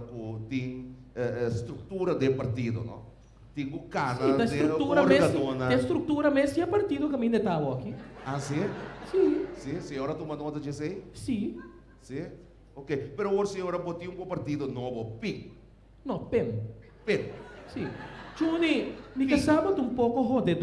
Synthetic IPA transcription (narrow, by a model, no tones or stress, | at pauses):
kut̪ĩŋ | ɛst̪ɾuk̚t̪uɾɐd̪epɐɾt̪id̪o̰nõ̰ | t̪ĩŋkukasnɐit̪ɐset̪ɾut̪uɾɐmɾekd̪onɐẽst̪ɾuk̚t̪uɾɐmesiɐpɐɾt̪id̪okɐmĩnd̪et̪awokiasisisisioɾɐt̪omɐnot̪ɐd͡ʒesejsĩ | si | okepeɾooɾsioɾɐbot̪iũŋkopɐɾt̪id̪onobopik̚ | nõpem | pemsit͡ʃuninikɐsabɐd̪ũmpokoɦod̪ed̪